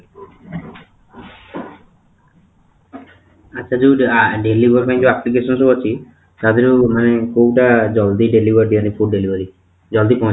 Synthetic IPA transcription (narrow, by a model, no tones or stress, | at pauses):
atːt͡ʃʰad͡ʒeɖelibɔɾpʰaĩd͡ʒeaplik̬esɔnɔsɔbat͡ʃʰi | t̪ad̪iɾumanekowʈad͡ʒɔld̪iɖelibʱɔɾd̪ianipʰuɖelibɔɾi | d͡ʒɔld̪ipɔ̃